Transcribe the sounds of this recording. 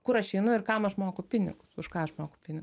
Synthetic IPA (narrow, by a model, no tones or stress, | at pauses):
kʊɾɐʃɛɪnʊɪkɐmɐʃmoːkopʲɪnʲɪ̰ɡʊsʊʃkɑːɐʃmoːkoʊpʲɪnʲɪɡʊ